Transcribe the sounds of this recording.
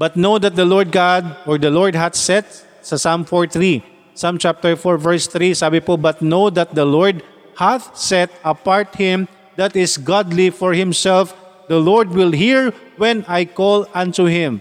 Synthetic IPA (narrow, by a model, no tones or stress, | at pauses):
bɐt̪̚nowd̪ɐt̪̚d̪ɐlɔɹd̪̚ɡad̪̚ʔɔɹd̪ɐlɔɹd̪̚ɦaθsɛt̪̚ | sɐsamfɔɹθɹi | samt͡ʃap̚t̪ɛɹfɔɹvɛɹst̪ɾisaːbɪpobɐt̪̚nowd̪ɐt̪̚d̪ɐlɔɹd̪̚ | haθsɛt̪̚ɐpaɹt̪̚hɪ̃m | d̪at̪ɪsɡad̪lifɔɹhɪ̃msɛlfd̪ɐlɔɹd̪̚wɪlɦiɹwɛ̃najkɔlãnt̪uhɪ̃m